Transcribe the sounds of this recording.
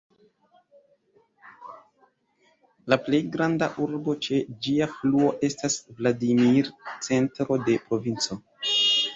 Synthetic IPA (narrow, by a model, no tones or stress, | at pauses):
laple̞jɡɾandaʔuɾbo̞t͡ʃe̞d͡ʒiafluo̞ʔe̞stasvladimiɾt͡se̞ntɾo̞de̞pɾo̞vint͡so̞